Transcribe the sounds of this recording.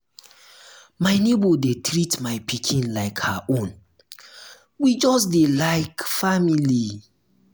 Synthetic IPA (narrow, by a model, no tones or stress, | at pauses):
maɪnebodetɾitmaɪpʰikʰĩnlaɪkhaʔõn | wid͡ʒɔsdelaɪkfamili